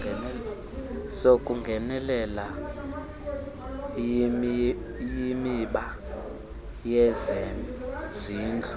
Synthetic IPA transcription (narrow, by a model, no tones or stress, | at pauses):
ɛ | sokʼuŋɡʱɛnɛlɛla | jimiɓa | jɛzɛmziːnd͡ɮʰʱu̥